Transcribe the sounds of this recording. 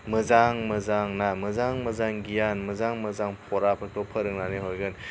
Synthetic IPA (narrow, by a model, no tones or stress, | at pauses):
mɯzaŋmɯzaŋnaməzaŋməzaŋɡijanməzaŋmɯzaŋpʰɔɾapʰɯk̚tɔpʰəɾɯŋnanɯɦojɡɯn